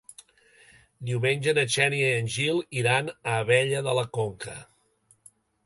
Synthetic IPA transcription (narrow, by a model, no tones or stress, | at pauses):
d̪iuwmenʲʒənət͡ʃɛniəənʲʒilˠiɾanəːβɛʎəðələkoŋkʰə